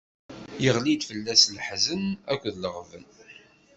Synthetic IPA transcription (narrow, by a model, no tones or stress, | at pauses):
jəʁlid̪fəlːæslħzənækʷːəðləʁvən